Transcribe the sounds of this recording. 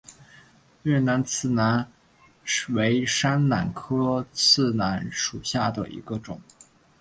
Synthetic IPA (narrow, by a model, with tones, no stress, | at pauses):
ɥɛ˥˩na˧˥nt͡sʰɹ̩˥˩na˧˥n | we˧˥ɪʂa˥nna̰˨˩nkʰɤ˥t͡sʰɹ̩˥˩na˧˥nʂu˨˩ɕja˥˩d̪ə̰˩ʔḭ˧˥ɡə˧ʈ͡ʂʊ˨˩˦ŋ